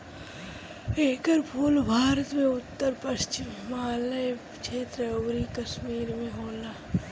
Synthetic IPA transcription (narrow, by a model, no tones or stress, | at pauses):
eːkəɾpʰuːlbʱaːɾət̪mẽʊt̪ːəɾpɐʃt͡ʃɪmːaːlə | t͡ʃʰeːt̪ɾəobɾikɐʃmiːɾmẽɦoːlaː